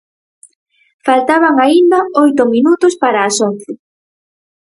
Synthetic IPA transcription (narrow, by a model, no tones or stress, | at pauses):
falt̪aβaŋaind̪ɐojt̪ʊminut̪ʊspaɾaːsonθɪ